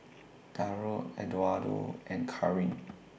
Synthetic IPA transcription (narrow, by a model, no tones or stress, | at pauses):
d̥aɹoɛdwado̰ʔɛ̃nkʰaɹĩn